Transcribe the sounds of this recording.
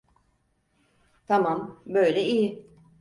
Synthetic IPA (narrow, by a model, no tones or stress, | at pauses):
t̪ʰamambø̞jlʲɛijɪ